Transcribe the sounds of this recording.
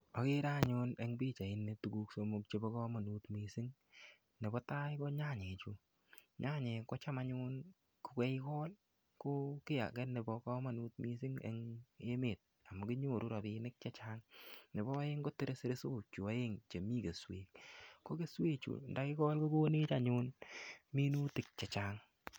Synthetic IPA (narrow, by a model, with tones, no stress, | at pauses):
ɔ˨kɪ˦ɾa˦˨ɲʊ˦ne˦ŋbi˦t͡ʃa˨ɪ˨˦nːe˨tu˨ɡu˦ksomu˦k̚t͡ʃe˦bɔ˦kɔ˦ma˨nu˨˦tmi˨sɪ˦ŋ | nɪ˨bɔ˦ta˦jkɔ˦ɲa˦˨ɲe˨t͡ʃu˨ | ɲa˦ɲe˨kɔ˦t͡ʃa˦ma˦ɲʊ˦n | ko˨kɛ˦ɪ˦kɔ˦l | ko˦kɪ˦ja̰˨kɛ˦ne˨bɔ˦kɔ˦ma˨nu˦t̚mi˧sɪ˦ŋḛŋe˦me˨t̚ | a˨mɔ˨kɪ˦ɲoː˦˨ɾu˦ɾa˨pɪnɪ˦k̚t͡ʃa˦t͡ʃaŋnɪ˨bɔ˦jɪ˦ŋɡo˦tɪ˦ɾe˦sɪ˦ɾe˦so˦t͡ʃu˨a˨je˦ŋt͡ʃe˨mi˦ke˨swḛː˨k̚ko˦ke˦swe˦t͡ʃṵ˨nda˨kɪ˦kɔ˦lko˦ɡoː˦ne˦t͡ʃa˨ɲʊ˦nmi˦nu˦tɪ˨k̚t͡ʃa˨t͡ʃaŋ